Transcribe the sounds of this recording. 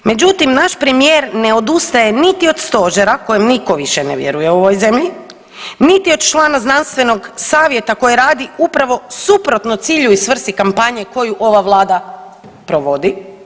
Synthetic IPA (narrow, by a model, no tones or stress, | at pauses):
me̞d͡ʑut̪imnaʃpɾemijeːɾne̞o̞d̪ust̪aje̞nit̪io̞d̪st̪o̞ʒeɾako̞jemniko̞ʋiʃeneʋjḛɾuje̞uoʋo̞jze̞mʎi | nit̪iod̪t͡ʃlˠaːnaznanst̪ʋe̞no̞ɡsaːʋje̞t̪ako̞jeɾaːd̪iupɾaʋo̞supɾo̞t̪no̞t̪siːʎuisʋr̩st̪ikampaɲeko̞juʔo̞ʋaʋlˠaːd̪a | pɾoʋo̞d̪i